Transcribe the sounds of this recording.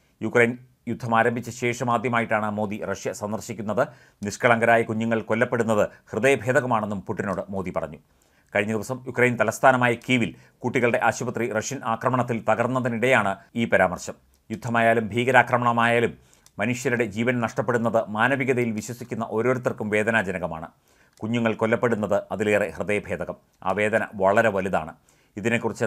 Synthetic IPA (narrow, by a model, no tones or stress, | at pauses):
jukrɐjn | jud̪ʱːɐmaːɾɐmbʱit͡ɕːɨɕe̞ːʂɐmaːd̪ʱjɐmaːjiʈːaːɳɨmo̞ːðirɐʂjɐsɐnd̪ɐrɕikʲːunːɐðɨ | niʂkɐɭɐŋɡɐɾaːjɐkuɲːuŋːɐɭko̞lːɐpːe̞ɽunːɐðɨhrɨðɐjɐbʱeːd̪ɐɣɐmaːɳe̞nːumpuʈːino̞ːɽɨmo̞ːðipɐrɐ̰ɲːu | kɐɻiɲːɐðiʋɐsɐmjukrɐjnt̪ɐlɐst̪ʰaːnɐmaːjɐkiːʋil | kuʈːiɣɐɭɨɽe̞ʔaːɕubɐt̪rirɐʂjɐnʔaːkrɐmɐɳɐt̪̬ːilp̪ɐɣɐrnːɐðiniɽejaːɳɨiːpɐɾaːmɐrɕɐm | jud̪ʱːɐmaːjaːlumbʱiːɣɐɾaːkrɐmɐɳɐmaːjaːlumː | ɐnuʂjɐɾuɽe̞d͡ʑiːʋɐnnɐʂʈɐpːeɽunːɐðɨmaːnɐʋiɣɐðɐjilʋiɕwɐsikʲːunːɐʔo̞ːɾo̞ːɾut̪̬ːɐrkːumʋe̞ːd̪ɐnaːd͡ʑɐnɐɣɐmaːɳɨ | kuɲːuŋːɐɭko̞lːɐpːe̞ɽunːɐðɨɐðileːrehrɨðɐjɐbʱe̞ːd̪ɐɣɐm | a̰ːʋe̞ːd̪ɐnɐ̰ʋɐɭɐɾe̞ʋɐliða̰ːɳɨ | iðinekːurit͡ɕːɨ